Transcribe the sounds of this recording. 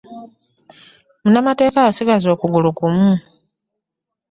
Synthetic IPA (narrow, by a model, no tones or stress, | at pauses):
munamate̞ːkaasiɡazo̞ːkuɡulukumu